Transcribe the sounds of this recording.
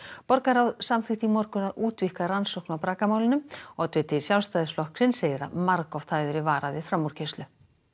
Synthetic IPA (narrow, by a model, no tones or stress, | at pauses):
pɔɾkaɾawðsamθɪht̪imɔɾkʏnaðuːt̪vihkaɾansowknawpɾaːkamawlɪnʏmɔɣt̪ʰvʏːt̪ɪsjawlst̪ajðɪsflɔhksɪnseːjðɪɾa̰ðmaɾkɔft̪ʰaːjðʏɾɪvaːɾaðɪfɾamːuɾ̥cʰest̪lʏ